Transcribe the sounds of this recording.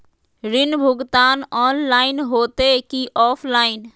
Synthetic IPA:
ɾɪnbʱʊɡt̪aːnɔːnlaːɪnɦoːt̪ekiʔɔːpʰlaːɪn

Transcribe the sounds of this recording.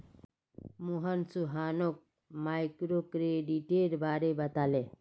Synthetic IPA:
muɦɐnsuɦaːnok̚ | maːjkɾoːkɾeːɖiʈeɾbaːɾebɐt̪aːle

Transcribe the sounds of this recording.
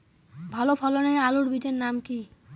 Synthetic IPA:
bʱɔlopʰɔloñealuɽbid͡ʒenːamki

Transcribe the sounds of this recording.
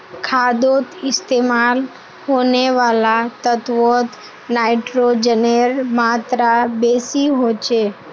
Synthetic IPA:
kʰad̪ot̪ɪst̪emal | honeʋalat̪ət̪ʋot̪ | naiʈɾod͡ʒəneɾmat̪ɾabesiɦot͡ʃʰe

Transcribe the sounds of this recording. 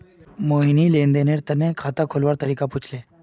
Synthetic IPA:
moinilend̪eneɾt̪ənekʰat̪akʰolʋaɾt̪əɾikaput͡sʰle

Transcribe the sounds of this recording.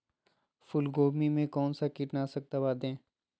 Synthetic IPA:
fʊlɡoːmimẽkɔːnsakiʈnasɐk̚t̪abaːd̪ẽː

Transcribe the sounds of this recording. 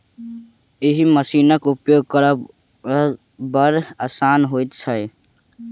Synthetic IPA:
ɪɦiməsiːnəkʊpjoːɡ̚kəɾə | bəɾaːsaːnɦoːit̪t͡ʃʰəe

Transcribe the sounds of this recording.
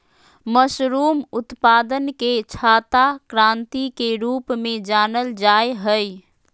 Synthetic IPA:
məsɾumut̪pad̪ənket͡ʃʰat̪akɾãnt̪ikeɾupmed͡ʒanəld͡ʒajɦəj

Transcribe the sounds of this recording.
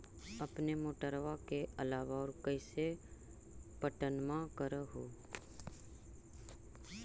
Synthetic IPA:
əpnemoːʈəɾʋakeəlaːʋaɔːɾkəɪse | pəʈənmãkəɾəɦoː

